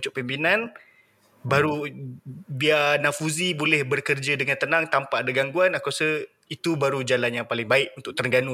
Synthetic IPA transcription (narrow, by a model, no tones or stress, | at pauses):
t͡ʃʊʔpimpinan | baɾu | bianafuzibolɛhbərkərd͡ʒadəŋant̪ənãŋt̪ampaʔadaɡaŋɡuanakasə | it̪ubaɾud͡ʒalanjaŋpalɪŋbaɪʔunt̪ʊʔ̚t̪ərŋɡanu